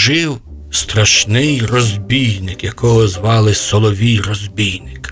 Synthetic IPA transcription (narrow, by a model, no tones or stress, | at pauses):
ʒɪw | st̪ɾɐʃnɪjrɔzʲbʲijnɪkjɐkɔɦɔzʋɑlˠɪsɔlˠɔʋʲijrɔzʲbʲijnɪk